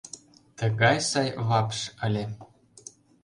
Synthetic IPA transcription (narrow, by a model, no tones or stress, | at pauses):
t̪ə̆ɣɑjsɑjβɑpʃə̆lʲe